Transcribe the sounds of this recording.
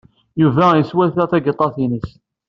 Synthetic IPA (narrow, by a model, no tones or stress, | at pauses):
juvæjəswæθæθæɡət̪ˤːɑθinəs